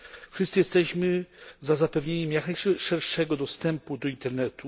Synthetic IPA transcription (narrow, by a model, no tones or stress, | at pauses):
fʂɨsɨjɛst̪ɛɕmɘzazapɛvɲeɲɛmjaknajʂʂɛɾʂɛɡɔd̪ɔst̪ɛmpud̪ɔint̪ɛɾnɛt̪u